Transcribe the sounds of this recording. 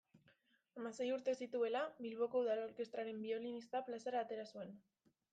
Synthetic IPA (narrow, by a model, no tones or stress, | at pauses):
amase̞juɾt̪e̞sit̪ue̞laβilβ̞o̞ko̞uðaloɾke̞st̪ɾaɾe̞mbio̞linist̪aplase̞ɾaːt̪e̞ɾasue̞n